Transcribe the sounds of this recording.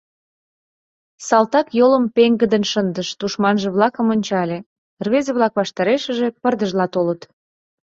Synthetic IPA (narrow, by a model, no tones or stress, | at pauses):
sɑlt̪ɑkjoləmpeŋɡə̆d̪ənʃənd̪əʃt̪uʃmɑnʒə̆βlɑkə̆monʲt͡ɕɑlʲe | rβezeβlɑkβɑʃt̪ɑɾeʃə̆ʒe̽pərd̪əʒlɑt̪olət̪